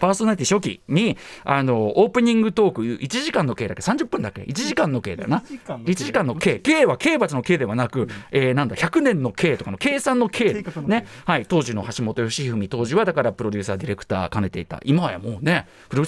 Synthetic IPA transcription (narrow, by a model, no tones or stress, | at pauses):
paːsonaɾʲit̪ʲiɕo̞kʲḭɲiano̞oːpɯ̟ɲ̟ĩŋɡɯ̟t̪o̞ːkɯ̟jɯ̰ːʔit͡ɕiʑikãnːo̞ke̞ːd̪ake̞sãɲ̟d͡ʑɨpːɯ̟̃nd̪ake̞̰ʔit͡ɕiʑikãnːo̞ke̞ːd̪a̰jo̰nait͡ɕiʑikãnːoke̞ːke̞ːβake̞ːbat͡sɨno̞ke̞ːd̪e̞βanakɯ̟enãnd̪açʲakɯ̟nẽ̞nːo̞kʰe̞ːt̪o̞kanoke̞ːsãnːo̞kʰe̞ːne̞hait̪o̞ːʑino̞̰haɕimo̞t̪o̞jo̞ɕiɸɯ̟mʲit̪o̞ːʑiβad̪akaɾapɯ̟ɾo̞dʲɨ̟ːsaːd̪ʲiɾe̞kɯ̟̥t̪a̰ːkane̞t̪e̞it̪a̰imaβa̰ja̰mo̞ːne̞ | pɯɾo